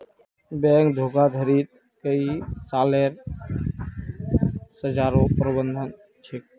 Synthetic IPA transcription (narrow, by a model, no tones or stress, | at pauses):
bɛŋkd̪ʱoɡad̪ʱəɾit̪̚ | kəisaːleɾ | səd͡ʒaːɾõpɾəbənd̪ʱən | t͡ʃʰek̚